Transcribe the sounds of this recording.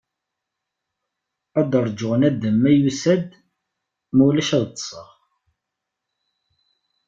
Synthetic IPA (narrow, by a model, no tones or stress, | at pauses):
æd̪əɾˤd͡ʒʊʁnæd̪əmːæjusæd̪ | mæwlæʃæðt̪ːsˤə̰ʁ